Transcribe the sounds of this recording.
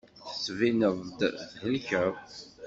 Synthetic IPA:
θə̥svinəðˤd̪ðhəlçə

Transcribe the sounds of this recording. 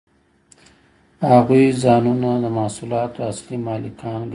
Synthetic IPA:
haɣuizɑnunad̪əmahsulɑt̪oaslimɑlɪkʰɑnɡ

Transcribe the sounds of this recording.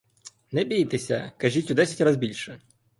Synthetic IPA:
nɛbʲijt̪esʲɐ̰kɐʒʲitʲʊd̪ɛsʲɐtʲrazbʲilʲʃɛ

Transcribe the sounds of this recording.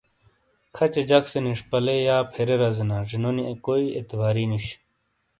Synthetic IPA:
kʰɐt͡ɕed͡ʑɐkseniʂpɐlejaːpʰeɾeɾɐzinaʐinoniekoːiet̪ibaːɾiːniɕ

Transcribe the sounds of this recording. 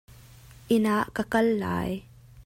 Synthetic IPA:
ʔɪnaʔkɐkɐlːa̰ːj

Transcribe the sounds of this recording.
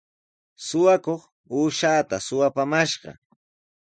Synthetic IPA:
sʊwakoχ | uːʃaːt̪asʊwapamaʃɢɑ̰

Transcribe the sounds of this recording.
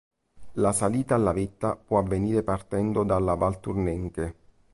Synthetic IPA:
lasaliːt̪aːlːavet̪ːapwɔavːeniːɾepart̪ɛnd̪od̪alːavalt̪urnɛŋke

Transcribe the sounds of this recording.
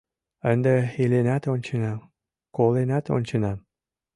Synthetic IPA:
ənd̪eelenæt̪onʲt͡ɕenɑ | kolenæt̪o̰nʲt͡ɕenɑ

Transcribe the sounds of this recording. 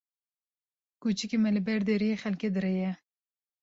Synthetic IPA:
kut͡ʃikʲemɛlɨbɛɾd̪eɾijexɛlked̪ɨɾejɛ

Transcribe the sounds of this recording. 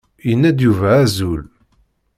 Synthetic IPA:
jənːæd̪juvææzul

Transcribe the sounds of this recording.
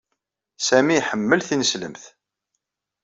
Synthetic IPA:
sæmiħəmːəlθinəslə̰mθ

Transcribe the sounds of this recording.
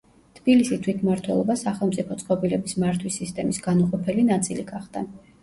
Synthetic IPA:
t̪ʰb̥ilisit̪ʰwit̪ʰmaɾt̪ʰwɛ̰lˠɔbasaχɛlˠmt̪sʼipʰɔt̪sʼqʼɔbilɛbismaɾt̪ʰwisːist̪ʼɛmisɡ̥anuqʼɔpʰɛlinat̪sʼiliɡaχd̪̥a

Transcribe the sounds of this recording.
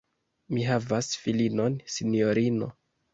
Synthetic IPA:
miɦavasfilino̞nsinijo̞ɾino̞̰

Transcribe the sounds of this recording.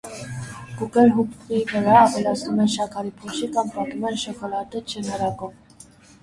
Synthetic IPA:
kukɛlɦukivəɾɑːvɛlɑt͡sʰnumɛnʃɑkʰɑɾipʰɔʃikɑmpɑt̪umɛnʃɔkɔlɑt̪ɛt͡ʃʰɛnɑɾɑkɔv

